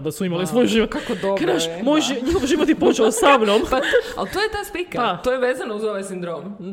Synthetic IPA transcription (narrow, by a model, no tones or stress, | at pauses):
d̪asuimalisʋojʒiʋot̪kakod̪okad̪aʃmojʒiɲixoʋʒiʋot̪jepot͡ʃelosamnompaa̰lt̪ojet̪aːspik̪aat̪ojeʋeːzanouzoʋajsind̪ɾom